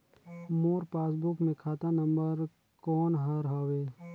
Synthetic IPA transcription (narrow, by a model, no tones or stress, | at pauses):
moːɾpaːs̬bʊkmẽkʰaːt̪anə̃mbəɾ | kɔːnɦəɾɦaːweː